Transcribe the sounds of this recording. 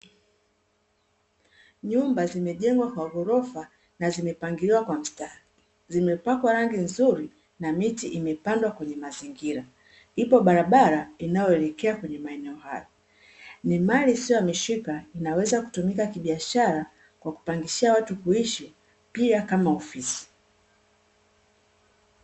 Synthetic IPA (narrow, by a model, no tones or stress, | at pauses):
ɲumbazimɛʄɛŋɡwakwaɣɔɾɔfa | nazimɛpaŋɡiɾiwakwam̩sta | zimɛpakwaɾaŋɡinzuɾi | namitiʔimɛpandwakwɛɲɛmaziŋɡiɾa | ipɔɓaɾaɓaɾainajɔɛlɛkɛakwɛɲɛmaɛnɛɔha̰jɔ | nimalisiɔjamiʃikainawɛzaku̥tumikakiɓiaʃaɾa | kwaku̥paŋɡiʃiawatukuiʃi | piakamaɔfisi̥